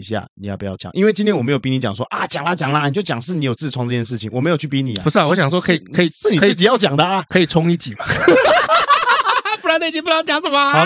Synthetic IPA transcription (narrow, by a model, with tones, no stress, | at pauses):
i˧ɕ̬ja̰˥˩ni˨jɑ˥˩pu˧˩jɑ˥˩ʊt͡ɕja̰˨˩˦ŋʔḭ˥nwe˥˩t͡ɕi˥nt̪ʰjɛ˥nwɔ˨˩m˧˥jpi˥ni˧˥t͡ɕjɑ̰˨˩ʂwɔ˦˥ʔa˨˩t͡ɕjŋla˧t͡ɕjɑ˨˩ŋla˧˦ni˨˩t͡ɕo˥˩t͡ɕjɑ˨˩ŋʂɻ̩˥˩˨ni˨˥jo˨˩ʊt͡sɹ̩ʰ˥˩˨wŋt͡sɤ˥˧˩jɛ˥˧nʂ̬̩˥˩t͡ɕʰi˨˦ŋwɔ˨˩me˧˥ɪjt͡ɕʰy˥˩pi˦˥nḭ˨˩˨pu˧˥ʂ̩˥˨wɔ˦ɕja˨ŋʂwɔ˥kʰi˨˩ə˧˦˥i˨ʂɻ̩˥ni˨˧˨ɨ˥˩t͡ɕi˨jɑ˥˩ʊt͡ɕjɑ˨˩ŋd̪ə˦a˧kʰɤ˧˥i˨˩t͡sʰʊ˥ŋi˥˩t͡ɕi˨˩ma˦ | pu˥˩la˧˦na˥˩i˨t͡ɕi˥˦pu˥˧jŋt͡ɕja˨˦ŋʂə˨˩mə˩˧˦